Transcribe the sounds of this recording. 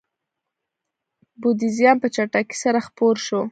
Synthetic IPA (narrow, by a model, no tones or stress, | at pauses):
bod̪izijɑnpət͡ʃaʈaki̥saɾaxpoɾʃo